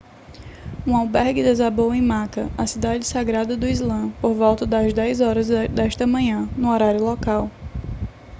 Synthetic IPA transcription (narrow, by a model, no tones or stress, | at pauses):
ũawbɛɾɡɪd̪ɛzabõwẽj̃makɐɐsid̪ad͡ʒɪsaɡɾad̪ɐd̪ʊizlɐ̃poɾvɔwt̪ɐd̪ɐzd̪ɛjzɔɾɐzd̪ɛʃt̪ɐmɐ̃ɲɐ̃nʊɔɾaɾjʊlɔkaw